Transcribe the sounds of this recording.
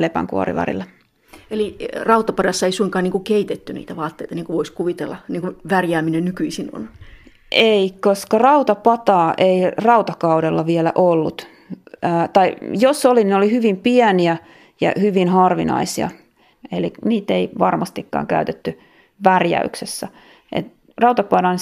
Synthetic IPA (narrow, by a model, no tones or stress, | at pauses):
lepæ̰ŋkuɑ̰rḭʋɑ̰rḭlːɑ | elirɑut̪ɑpɑdɑsːɑeisuiŋkɑːniːŋkukeit̪et̪ːynḭːt̪æʋɑːt̪ːeit̪ɑniːŋkuʋoiskuʋit̪elːɑniːŋkuʋærjæːminennykyisino̰n | ʔeikoskɑrɑut̪ɑpɑt̪ɑːʔeirɑut̪ɑkɑudelːɑʋiɛlæ̰ʔolːut̪ | ʔːt̪ɑijosolininolihyʋimpiæniæ | jɑ̰hyʋinhɑrʋinɑ̰isiɑ̰ | eliniːt̪eiʋɑrmɑst̪ikːɑ̰ːŋkæ̰yt̪et̪ːy | ʋærjæ̰yksesːæ | ʔḛt̪ | rɑut̪ɑpɑdɑn